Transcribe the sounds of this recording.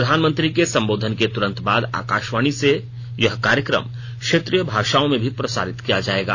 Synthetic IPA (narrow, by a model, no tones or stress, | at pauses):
ɾəd̪ʱaːnmənt̪ɾikesɐ̃mboːd̪ʱənket̪ʊɾə̃nt̪baːd̪a̰ːkaːʃʋaːɽ̃ise | jɐɦkaːɾjəkɾə̰m | kʃeːt̪ɾijəbʱaːʃaːõmẽbʱipɾɐsa̰ːɾɪt̪kijad͡ʒaːeːɡa̰ː